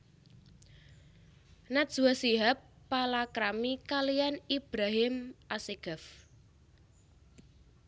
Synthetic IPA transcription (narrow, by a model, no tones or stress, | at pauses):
nḁʒ̥uwasiɦapːalakɾamikalijanib̥ɾaɦɪmaseɡ̥af